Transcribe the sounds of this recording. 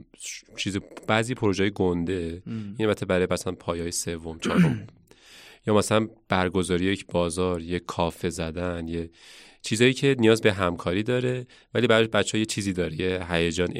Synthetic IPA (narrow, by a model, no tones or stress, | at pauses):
t͡ʃʰiːzib̥æːziːpʰo̞ɾo̞ʒeːjeɡond̪e̞inæbæt̪ʰːebæɾɒːjemæsælænpʰɒːjːjesevːo̞mt͡ʃʰɒ̰ːɾom | jɒːmæsælænb̥æɾɡo̞zɒːɾijejecʰbɒːzɒːɾjekʰːɒːfezæd̪ænje | t͡ʃʰiːzɒːjiːcʰe̞nijɒːzbeɦæmkʰɒːɾiːd̪ɒːɾe̞ | væliːbæɾbæt͡ʃʰːeɒjet͡ʃʰiːziːd̪ɒːɾejeɦæjed͡ʒɒːn